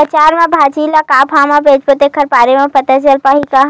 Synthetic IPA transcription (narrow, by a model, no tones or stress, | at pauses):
ət͡ʃaːɾmãbʱaːt͡ʃiːlakaːpʰaːmãbeːd͡ʒpot̪ekʰɐɾpaːɾemãpɐt̪at͡ʃɐlpaːɦika